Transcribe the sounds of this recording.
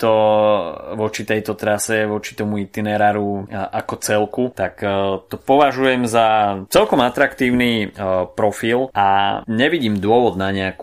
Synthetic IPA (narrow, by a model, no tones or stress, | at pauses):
t̪ɔ | ʋɔt͡ʃit̪ɛjt̪ɔt̪ɾasɛʋɔt͡ʃi̥t̪ɔmuit̪inɛɾaːɾuakɔt͡sɛlkut̪akt̪ɔpɔʋaʒujɛmzat͡sɛlkɔmat̪ɾakt̪iːʊnipɾɔfilʔaɲɛʋiɟiːmd̪ʊɔʋɔd̪naɲɛaku̥